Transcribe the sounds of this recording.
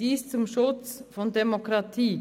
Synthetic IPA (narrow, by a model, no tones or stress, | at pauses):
iːst̪ʊmʃɔːt̪sfɔnd̪ɛmʊkɾɑt̪ʰiː